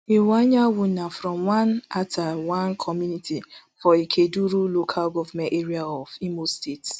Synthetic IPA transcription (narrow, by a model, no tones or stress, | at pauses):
iwaɲawʊnafɾɔ̃mwãnatʰawãnkʰɔmjunitʰifɔikʰeduɾulokʰalɡɔvamɛ̃nteɾiaɔvimostets